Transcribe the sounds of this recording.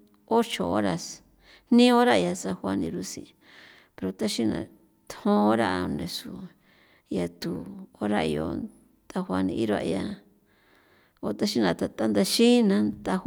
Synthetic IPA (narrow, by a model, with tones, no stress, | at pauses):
o˦t͡ʃo˨o˦ɾa˨s | nnĩ˦o˦ɾa˦˧ja˧sa˧hwa˧nĩ˧ɾu˧sḭ̃˨˧ | pe˧ɾo˧t̪a˦ʃi˦nã̰˧ | t̪hõ˦o˦ɾa˦ʔa˧nẽ˧su˨ | ja˧t̪u˨o˦ɾa˦i˧jo̰˧ | t̪a˧xwʷa˧nĩ˧i˦ɾa̰˧ʔja˧ | o˧t̪a˦ʃi˦nã˧˨t̪a˧t̪a˦nd̪a˧ʃĩ˦nã˧˦t̪a˧